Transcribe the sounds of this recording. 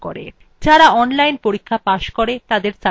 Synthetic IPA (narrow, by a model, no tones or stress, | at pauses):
ko̰ɾḛ | d͡ʑaɾaɔnlajnpoɾikʰːapaʃkoɾet̪ad̪eɾt͡ɕa